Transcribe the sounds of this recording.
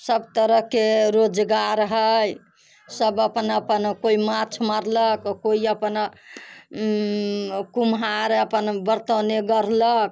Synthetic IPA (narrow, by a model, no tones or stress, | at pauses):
səbt̪əɾəɦkeɾod͡ʒɡaɾɦəj | səbəpənəpənkoimat͡ʃʰmaɾləkkoiəpən | kumɦaɾəpənbəɾt̪əneɡəɾlək̚